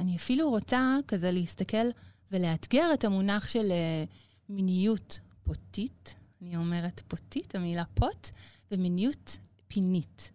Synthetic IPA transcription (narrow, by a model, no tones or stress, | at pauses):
ʔaniafiluʁo̞t͡sakazeleistake̞lveleatɡe̞ʁetamunaχʃele | minijutpotitanio̞me̞ʁetpotitamilapʰo̞tveminijut | pʰinit